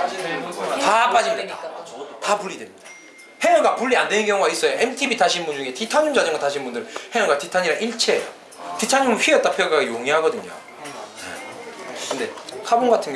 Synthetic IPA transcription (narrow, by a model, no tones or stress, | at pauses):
tap͈ad͡ʑimidatapuɭːidwemɲid̥ḁ | heʌɡapuɭːiandwennkjʌŋuɡais͈ʌjoemtʰibitaɕʰinbund͡ʑuŋe̞titʰaɲund͡ʑad͡ʑʌŋɡataɕʰinbundɯɾhejʌɡatitʰaɲiɾaʔiɭt͡ɕʰe | titʰaɲimɯnɸɥiejʌt͈apʰjeɡaɡejoŋiɦaɡʌdɯɲo̰ | nḛkɯnde̞kʰabonɡatʰɯnɡ